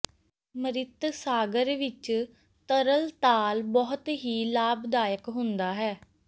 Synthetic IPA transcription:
məɾɪt̪saːɡəɾʋɪt͡ʃ | t̪əɾəlt̪aːlbɔːt̪ɦiːlaːbd̪aːjəkɦʊnd̪aːɦɛː

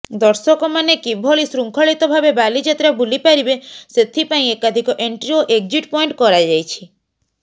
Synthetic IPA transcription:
d̪ɔɾsɔkɔmanekibʱɔɭisɾuŋkʰɔɭit̪ɔbʱabebalid͡ʒat̪ɾabulipaɾibeset̪ʰipaĩekad̪ʱikɔʔeɳʈɾioʔeɡ̚d͡ʒiʈpɔiɳʈkɔɾajd͡ʒajt͡ʃʰi

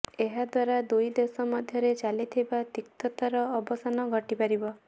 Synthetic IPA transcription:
eɦad̪waɾad̪ujd̪esɔmɔd̪ʱjɔɾet͡ʃalit̪ʰibad̪ik̚t̪ɔt̪aɾɔːbɔsanɔɡʱɔʈipaɾibɔ

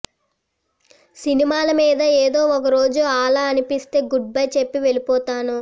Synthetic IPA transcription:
sinimaːlɐmiːd̪ɐeːd̪o̞ːɔkɐɾo̞ːd͡ʒuaːlaɐnipist̪e̞ːɡuɖ̚bɐjt͡ʃe̞pːiʋe̞lipɔːt̪aːnu

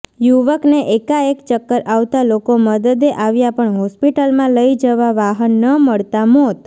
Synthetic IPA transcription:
juʋəkneʔekaekt͡ʃəkːəɾʔaʋt̪alokoməd̪əd̪eʔaʋjapəɳɦɔspiʈəlmãləid͡ʒəʋaʋaɦənːəməɭt̪amot̪

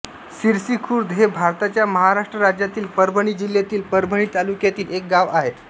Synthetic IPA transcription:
siɾsikʰuːɾd̪ɦebʱaɾt̪at͡ɕjaməɦaɾaʂʈɾəɾad͡ʑjat̪iːlpəɾbʱəɽ̃iːd͡ʑiljat̪iːlpəɾbʱəɳ̃iːt̪alukjat̪iːlek̚ɡaʋaɦet̪

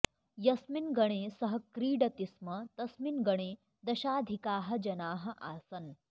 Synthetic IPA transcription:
jɐsminɡɐɽ̃eːsɐɦɐkɾiːɖɐt̪ismɐt̪ɐsminɡɐɽ̃eː | d̪ɐʃaːd̪ʱikaːɦɐ̆d͡ʒɐnaːɦɐ̆ʔaːsɐn

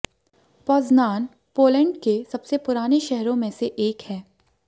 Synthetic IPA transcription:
pɔːznaːn | poːlɛ̃ɳɖkesɐbsepʊɾaːneʃɛɦɾõmẽseʔeːkhɛː

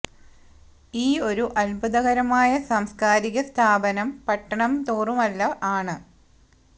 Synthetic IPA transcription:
iːo̞ɾuʔɐlbɐðɐɣɐɾɐmaːjɐsɐmskaːɾiɣɐst̪ʰaːbɐnɐmpɐʈːɐɳɐmt̪oːrumɐlːɐʔaːɳɨ

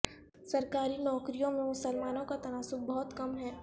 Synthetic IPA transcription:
sɐɾkaːɾinɔːkɾijõmẽmʊsəlmaːnõkat̪ɐnaːsʊb̚bɔɦʊt̪kɐmɦɛː

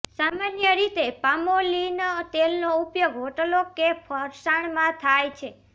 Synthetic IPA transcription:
samanjəɾit̪epamolint̪elnoupjoɡɦoʈəlokepʰəɾsaɳ̃mãt̪ʰajt͡ʃʰe

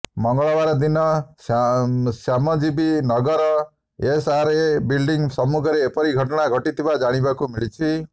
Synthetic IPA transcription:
mʌŋɡɔɭɔbaɾɔd̪inʌsasjamɔd͡ʒibinʌɡʌɾɔ | esaɾebilɖiŋsʌmukʰʌɾeːpʌɾiɡʱʌʈɔɽ̃aɡʱʌʈit̪ʰibad͡ʒaɽ̃ibakumiɭit͡ʃʰi

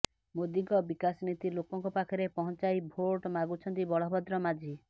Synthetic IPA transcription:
mod̪iŋkɔbikasnit̪ilokɔŋkɔpakʰɔɾepɔɦɔnt͡ʃajbʱoɾʈmaɡut͡ʃʰɔnt̪ibɔɭɔbɔd̪ɾɔmad͡ʒʱi

